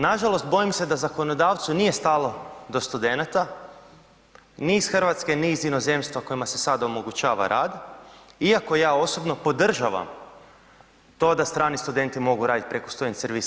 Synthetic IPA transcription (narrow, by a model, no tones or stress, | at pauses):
naʒalˠo̞st̪̚bo̞jimse̞d̪azako̞no̞d̪aːʋt̪sunije̞st̪alo̞d̪o̞st̪ud̪e̞nat̪a | niːsxrʋat̪ske̞nizino̞ze̞mst̪ʋoko̞jimase̞sad̪aomoɡut͡ʃaːʋa̰ɾʔaːd̪iako̞jaːo̞so̞bno̞po̞d̪r̩ʒaʋa̰m | t̪o̞d̪ast̪ɾaːnist̪ud̪e̞nt̪imo̞ɡuɾaːd̪it̪̚pɾe̞kost̪ojinseɾʋis